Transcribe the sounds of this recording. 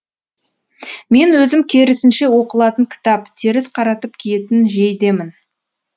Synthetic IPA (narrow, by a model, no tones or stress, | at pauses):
me̞nwɵzɪmkʲʰe̞ɾɪsɪnʃe̞wo̞qəlˠɑt̪əŋkʲʰɪ̥t̪ɑpt̪ʰe̞ɾɪsqʰɑɾɑt̪əpkʲʰije̞t̪ɪnʒejd̪e̞mɪn